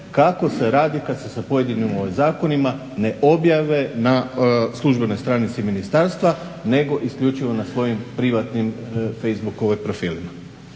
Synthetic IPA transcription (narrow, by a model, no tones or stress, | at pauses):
kako̞se̞ɾaːd̪ikad̪se̞sapo̞je̞d̪inimoʋojzaːko̞nima | ne̞ʔo̞bjaʋe̞naslˠuʒbe̞no̞jst̪ɾaːnit̪siminist̪aɾst̪ʋa | ne̞ɡo̞ʔiskʎʲut͡ʃiʋo̞nasʋo̞jimpɾiʋat̪nimfe̞jzbuko̞ʋojpɾo̞fiːlima